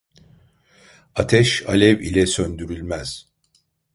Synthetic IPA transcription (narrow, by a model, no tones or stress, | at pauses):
at̪ʰɛʃalʲɛvḭlʲɛsønd̪yɾylʲmæz̥